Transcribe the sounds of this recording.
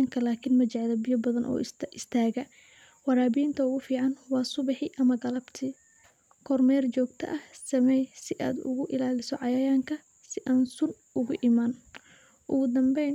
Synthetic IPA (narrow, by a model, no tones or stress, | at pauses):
ŋkʰɐlaːkʰɪnmɐt͡ʃɐʕlɐbɪjɐbɐðɐnʔɔ̰ːʔɪst̪ʰaːɣɐ | wɑɾaːbiːnt̪ʰɐʊɣʊfiːʕɑnwɑːsʊβɑħɪʔɐmɐɡɐlɐbt̪ʰɪ | kʰɔrmɛːrt͡ʃɔːɡt̪ʰɐ̰ʔɐhsɐmɛjsɪʔa̰ːd̪ʊ̰ɣʊʔɪlaːlɪsɔʕɑjaːjaːŋkʰɐ | sɪʔaːnsʊn | ʔʊɣʊʔɪmaːn | ʔʊɣʊd̪ɐmbɛjn